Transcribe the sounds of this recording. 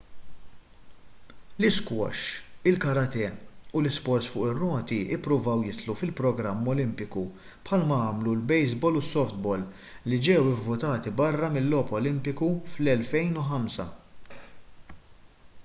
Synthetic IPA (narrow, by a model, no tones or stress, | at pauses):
lɪskwɔ̰ʃɪlkɐɾɐt̪ɛʊlɪspɔɾt̪sfʊ̰ːʔɪrːɔːt̪iɪpːɾʊvɐwjɪt̪lufɪlpɾɔɡɾɐmːɔlɪmpɪku | pħɐlmɐɐːmlulbɛjzbɔːlʊsːɔft̪bɔːlː | id͡ʒɛwɪvːʊt̪ɐːt̪ibɐrːɐmɪlːɔːpɔlɪmpɪkuflɛlfɛjnuħɐmsɐ̰